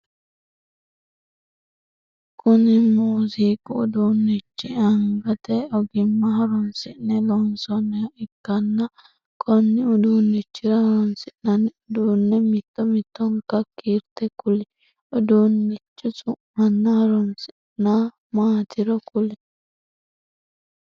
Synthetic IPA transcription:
kʊnɪmuːsiːkʊːd̪uːnːɪt͡ʃːɪɐŋɡɐt̪ɛɔɡɪmːɐɦɐɾɔnsɪnɛlɔnsɔnːɛɪkːɐnːɐ | kʰʼɔnːɪʊd̪uːnːɪt͡ʃːɪɾɐhɾɔnsɪnːɐnɪʊd̪uːnːɛmɪt̪ːɔmɪt̪ːɔŋkɐkːiːɾt̪ɛkʊlɛ | ɔd̪uːnːɪt͡ʃːʊt͡sʼʊʔmɐnːɐhɐɾɔnsɪ | na | maːt̪ʰɪɾɔkʊlɛ

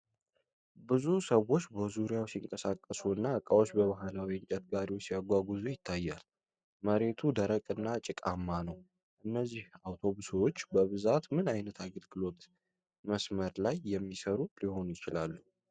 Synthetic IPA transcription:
bɨzusəwo̞t͡ʃːbəzuɾjawsiŋkʼəsakʼːəsuɨnːaəkʼawo̞t͡ʃːbəβaɦalawiɨnt͡ʃʼət̪̚ɡaɾiwsijaɡʷaɡuzujɪt̪ʰːajːal | məɾe̞t̪ʰud̪əɾəkʼɨnːat͡ʃʼɪkʼa̰mːanəw | ʔɨnːəzːihawt̪ʰo̞βuswot͡ʃːbəβɨzat̪mɨnajnət̪ʰaɡəlɡɨlo̞t̪ | məsməɾlajːɛmːisəɾuliho̞nujɪt͡ʃɪlalːu

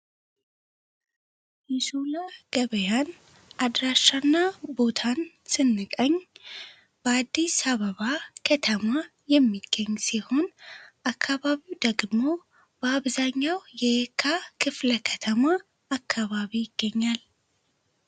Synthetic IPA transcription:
jɛsulaɡ̥əβəjan | ʔad̪ɾaʃːanːabo̞t̪ʰan | sɨnːɨkʼəɲː | b̥əad̪ːisaβəβakʰət̪ʰəma | jɛmːiɡ̥ːəɲːsiho̞nʔakʰːaβaβiwd̪əɡmo̞ | b̥əaβzaɲːawjɛkʰakʰɨfləkʰət̪ʰəmaː | kʰːaβaβijɪɡ̥ːəɲːal

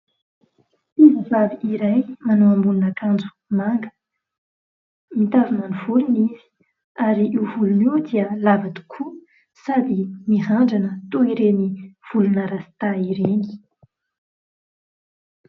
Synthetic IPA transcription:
izavaviiɾajmanuambununakand͡zu̥ | maŋɡə̥ | mit̪avunanuvuluniz̥i̥ | aɾiʔiwvuluniwd̪iəlavat̪u̥kʰu | sad̪imiɦaɳɖ͡ʐanət̪uiɾeniv̥ulunəɾasi̥t̪aiɾeni̥

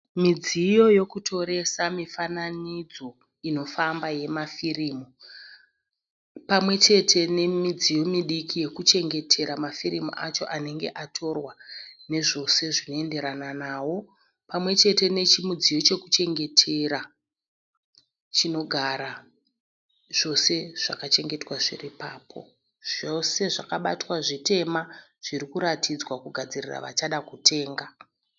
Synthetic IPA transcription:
mid͡zijo̞jo̞kutʰo̞ɾe̞samifananid͡zo̞ | ino̞fambaje̞mafiriːmu | pamwe̞t͡ʃe̞tʰe̞ne̞mid͡zijo̞miɗikije̞kut͡ʃe̞ŋɡe̞tʰe̞ɾamafiɾimṵʔat͡ʃo̞̰ʔane̞ŋɡe̞̰ʔatʰo̞rwane̞ʐo̞se̞ʐino̞e̞nde̞ɾananaːwo̞ | pamwe̞t͡ʃe̞te̞ne̞t͡ʃimud͡zijo̞t͡ʃe̞kut͡ʃe̞ŋɡe̞tʰe̞ɾa | t͡ʃino̞ɡʱaɾa | ʐ̥o̞se̞ʐ̥akat͡ʃe̞ŋɡe̞twaʐḭripaːpʰo̞̰ | ʐ̥ose̞ʐakaɓa̰twaʐite̞maʐ̥iɾikuɾatʰid͡zwakuɡʱad͡zirira̰ʋa̰t͡ʃaɗakutʰe̞ːŋɡa

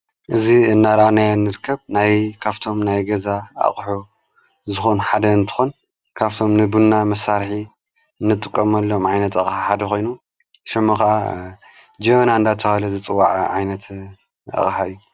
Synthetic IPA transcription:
ʔɨziɨnːaɾɐanajanːɨɾɨkʰːɐβnajkʰaβt̪ʰo̞mnajɡɐzaa̰χʼħu | zɨxonħad̪ɐɨnt̪ʰɨ̥xun | kʰaβt̪ʰomnɨbunːamɐsaɾħi | ɨnːɨt̪ʼɨkʼːɐmɐlːomʕajnɐt̪ɐxʼħaħad̪ɐxʰo̞jnu | ʃɐmːɐxɐʔa̰ | d͡ʒɐmɐnaɨnd̪at̪ʰɐhalɐzɨt͡sʼɨwːaʕʕajnɐt̪ | ɐ̰xʼħaɨjːu

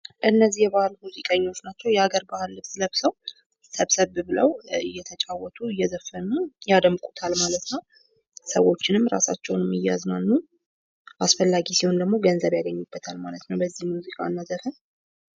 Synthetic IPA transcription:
ʔɨnːəzːijɛbahɨlmuzikʼəɲːo̞t͡ʃːnat͡ʃːɛwjɛaɡəɾbahɨlːɨβsləβsəw | səβsəβbɨləwɨjːɛt̪ʰət͡ʃʼawːɔt̪ʰʼuɨjːɛzəfːənujad̪əmːɨkʼut̪ʰalmalət̪nəw | səwo̞t͡ʃːɪnɨmːɾa̰sa̰t͡ʃːɛwnmːɨjaznalːu | ʔasfəlːaɡisiho̞nd̪əɡmo̞ɡənzəβjaɡəɲːubːət̪ʰalmalət̪nəwbəzːihmuzikʼa̰nːazəfən

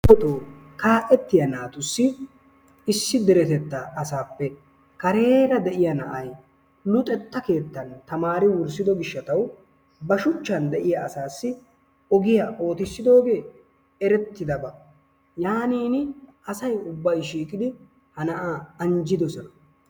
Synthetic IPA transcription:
ɔt̪ʼoːkaːʔɛt̪ːɪjɐnaːt̪ʊsːɪ | ɪsːɪd̪ɛɾɛt̪ɛt̪ːɐɐsaːpːɛ | kɐɾe̞ːɾɐd̪ɛʔɪjɐnɐ̰ʔɐj | lʊt̪ʼɛt̪ːɐke̞ːt̪ːɐnt̪ɐmaːɾɪwʊɾsɪd̪ɔɡɪʃːɐt̪ɐw | bɐʃʊt͡ʃːɐnd̪ɛʔɪjɐɐsaːsːɪ | ɔɡɪjɐʔo̞ːt̪ɪsːɪd̪o̞ːɡe̞ː | ɛɾɛt̪ːɪd̪ɐbɐ | jaːniːnʔɐsɐjʊbːɐjʃiːkʼɪd̪ɪ | hɐnɐʔaːɐnd͡ʒɪd̪ɔsɔnɐ

